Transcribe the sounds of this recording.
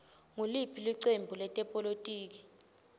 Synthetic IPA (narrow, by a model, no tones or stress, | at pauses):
ŋulipʰiliǀembʱulɛtʼɛpʼolotʼiːk̬i̥